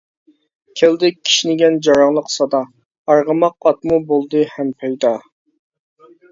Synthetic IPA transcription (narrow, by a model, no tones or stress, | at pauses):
kʲʰeld̪ɪk̚ʲkʲʰːi̥ʃinɪɡʲɛnd͡ʒɑɾɑŋlˠəqsɑd̪ɑ | ɑɾʁəmɑq̚ːɑt̪̚mubolˠd̪ɨhɛmpʰɛjd̪ɑ